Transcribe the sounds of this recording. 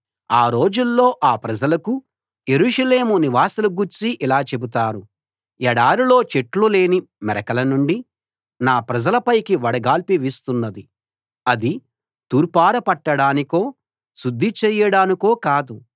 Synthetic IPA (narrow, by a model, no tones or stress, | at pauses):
aːɾo̞ːd͡ʒulːo̞ːʔaːpɾɐd͡ʒɐlɐku | je̞ɾuːʂɐle̞ːmuniʋaːsɐluɡuɾt͡ʃiʔilaːt͡ʃe̞but̪aːɾu | jɛɽaːɾulo̞ːt͡ʃeʈlule̞ːni | mɛɾɐkɐlɐnuɳɖi | naːpɾɐd͡ʒɐlɐpɐjkiʋɐɽɐɡaːlpiʋist̪unːɐd̪i | ɐd̪i | t̪uːɾpaːɾɐpɐʈːɐɽaːniko̞ː | sud̪ʱːit͡ʃɛːjɐɽaːniko̞ːkaːd̪u